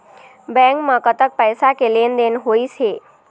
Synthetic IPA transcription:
bɛ̃ŋkmãkət̪ək̚pəjsakelend̪enɦoit͡ʃʰe

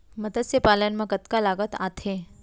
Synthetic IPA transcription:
məd̪əsjəpalənmãkət̪kalaɡət̪at̪ʰe

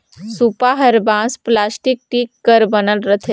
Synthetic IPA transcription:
supaɦəɾbãːsplaːsʈɪk̚ʈiːkːəɾbənəlɾət̪ʰe

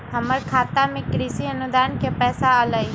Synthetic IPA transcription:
ɦəməɾkʰaːt̪amẽkɾisiənʊd̪aːnkepɛːsaələj

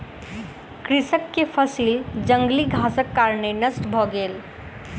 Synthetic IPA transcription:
kɾisəkːepʰəsild͡ʒə̃ŋɡliɡʱasəkːaɾnenəsʈbʱɔɡeːl

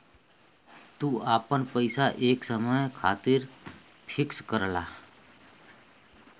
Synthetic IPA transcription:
t̪uːaːpənpəɪsaʔeːksəməjkʰa̰ːt̪iːɾ | pʰɪkskəɾla̰ː

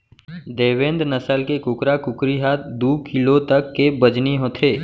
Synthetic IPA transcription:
d̪eːʋẽːnd̪nəsəlkekʊkɾakʊkɾiɦaːt̪d̪uːkʰɪlot̪ɐkːebəd͡ʒniɦoːt̪ʰeː

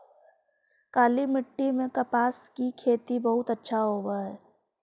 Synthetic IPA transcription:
kaːlimɪʈːimẽkɐpaːskikʰeːt̪ibɐɦʊt̪ətːʃʰaɦoːɡaɦɛː

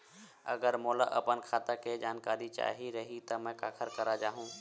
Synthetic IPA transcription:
ɐ̰ɡəɾmoːla̰ʔɐpənkʰaːt̪aked͡ʒaːnkaːɾit͡ʃa̰ːɦiɾɐɦit̪ɐmɛ̃kaːkʰəɾkɐɾad͡ʒaːɦũː

